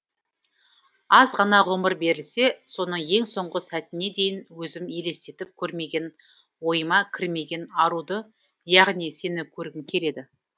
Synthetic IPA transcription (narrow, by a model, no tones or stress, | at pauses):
ɑzʁɑnɑʁʊməɾbe̞ɾɪlse̞so̞nəɴje̞ŋso̞ɴʁəsæt̪ɪne̞d̪e̞jɪnwɵzɪmje̞le̞st̪e̞t̪ɪp̚kʲʰɵɾme̞ɡʲe̞n | wo̞jəmɑkʲʰɪɾme̞ɡʲe̞nɑɾud̪ə | jɑʁnijse̞nɪkʲʰɵɾɡʲɪŋkʲʰe̞le̞d̪ɪ